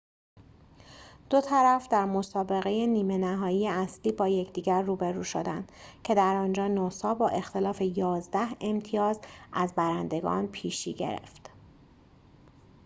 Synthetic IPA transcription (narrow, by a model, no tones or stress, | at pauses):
d̪̥ot̪ʰæɾæfd̪æɾmosɒːbe̞ɣe̞jeniːme̞næɦɒːjijeæsliːbɒːjecʰd̪iːɟæɾːuːbeɾuːʃod̪ænd̪̥cʰe̞d̪æɾɒːnd͡ʒɒːnosɒːbɒːʔe̞xt̪ʰe̞lɒːfe̞jɒːzd̪æhe̞mt̪ʰijɒːzʔæzbæɾænd̪e̞ɡɒ̰ːnpʰiːʃḭːɟe̞̰ɾḛft̪